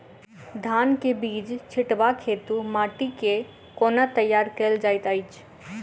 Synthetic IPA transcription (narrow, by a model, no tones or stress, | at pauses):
d̪ʱankebiːd͡ʒt͡ʃʰiʈbakʰet̪umaʈike | konat̪əjːaɾkeld͡ʒajt̪əɪt͡ʃʰ